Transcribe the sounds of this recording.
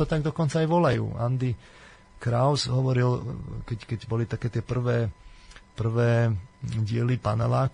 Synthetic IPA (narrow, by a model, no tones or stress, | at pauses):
ɔt̪aɡd̪ɔkɔnt͡saːjʋɔlajṵːand̪i | kɾaʊsɦɔʋɔɾilkɛckɛɟbɔlit̪akɛːt̪ɪɛpr̩ʋɛːpr̩ʋɛːɟɪɛlipanalaː